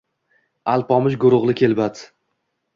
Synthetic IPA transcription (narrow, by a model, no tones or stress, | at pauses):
alˠpɒmɪʃɡʊɾʊʁlˠɪkʲʰe̞lbat̪